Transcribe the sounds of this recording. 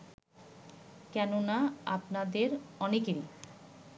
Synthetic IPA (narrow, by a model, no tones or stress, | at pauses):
kɛnonaa̰pnad̪eɾɔnekej